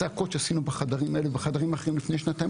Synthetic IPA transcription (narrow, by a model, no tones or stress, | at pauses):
eakot̪ʃeasinubaχad̪aʁimaelebeχad̪aʁimaχeimlifne̞jʃnat̪aj